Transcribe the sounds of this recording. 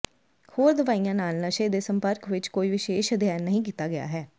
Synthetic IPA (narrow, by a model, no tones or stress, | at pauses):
hoːɾd̪əʋaːijãːnaːlnəʃeːd̪eːsəmpəɾkʋɪt͡ʃkoːiːʋɪʃeːʃəd̪ʱjaːnəɦĩːk̬iːt̪aːɡɪja̰ːɦɛː